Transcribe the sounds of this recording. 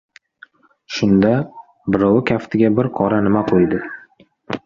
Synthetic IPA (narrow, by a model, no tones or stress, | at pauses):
ʃʊnd̪a | bɪɾɒwɪkʲʰaft̪ʰɪɡʲabɪɾqʰɒɾanɪmaqʰojd̪ɪ